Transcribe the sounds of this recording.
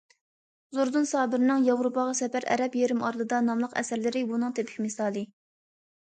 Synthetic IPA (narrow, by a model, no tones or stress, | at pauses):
zoɾd̪unsɑːbɪɾɪnɨŋjɑvɾopɑʁɑsɛpæɾɛ̰ɾɛpjeɾɪmɑɾlˠɨd̪ɑnɑmlˠəqɛ̰sæɾlɪɾɪbunɨŋt̪ʰepʰɪ̥kʲmɪsɑːlˠɨ